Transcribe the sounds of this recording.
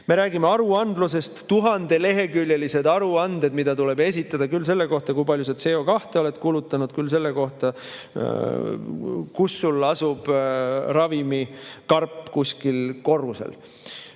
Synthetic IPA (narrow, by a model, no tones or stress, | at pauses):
me̞ɾæːɡimeɑɾuɑnd̪luse̞st̪ːuɦɑnd̪e̞le̞ɦe̞kyljelise̞d̪ɑɾuɑnd̪̥e̞d̪mid̪̥ɑt̪ule̞be̞s̬ʲit̪ːˑɑd̪̥ɑkylːse̞lːe̞ko̞ht̪ɑkujpɑljus̬ɑd̪se̞ːo̞kɑht̪eo̞le̞t̪ːˑkuːlut̪ːˑɑnud̪̥kylːs̬e̞lːeko̞ht̪ɑ | kusːulːɑsub̥rɑvimikɑrpːˑkusʲkilko̞rːusḛl